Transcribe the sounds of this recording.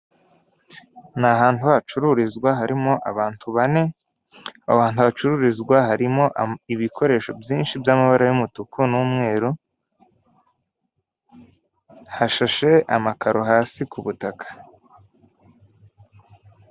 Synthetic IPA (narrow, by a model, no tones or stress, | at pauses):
naɦaːntuhat͡ʃuɾuɾizɡwaɦaɾimo̞ʔaβaːntʰuβane̞ | aβaːntuat͡ʃuɾuɾizɡwaɦaɾimo̞ʔiβikʰo̞ɾe̞ːʃo̞bjiːnʃibjamaβaɾajumutukunumŋe̞ːɾu | haʃaʃe̞ʔamakʰaɾo̞ɦaːsikuβutakʰḁ